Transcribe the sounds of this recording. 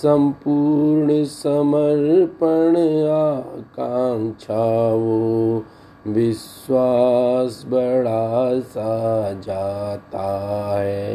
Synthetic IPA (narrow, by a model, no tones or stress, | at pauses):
sɐ̃mpuːɾɳəsɐməɾpəɽakant͡ʃʰaʋo | ʋɪs | waːsbɐɽasad͡ʒaːt̪aɦɛː